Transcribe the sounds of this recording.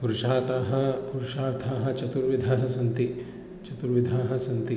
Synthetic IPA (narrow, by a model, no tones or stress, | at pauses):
puɾʃaːt̪aːɦɐpuɾuʃaːɾt̪ʰaːɦɐ̆t͡ʃɐt̪uɾʋid̪ʱaːɦɐsɐnt̪i | t͡ʃɐt̪uɾʋid̪ʱaːɦɐ̆sɐnt̪i